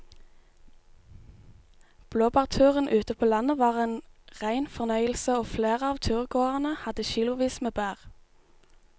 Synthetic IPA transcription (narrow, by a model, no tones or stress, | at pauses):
b̥loːbɑːʁt̪ʰʉːʁənʔʉːt̪əpʰoːlɑnəʋɑːʁeːnʁæɪnfɔʁnœʏəlsəoːfleːʁəɑːʋt̪ʰʉːʁɡoːəʁnəhɑd̪əçiːlʊʋiːsmeːbæːʁ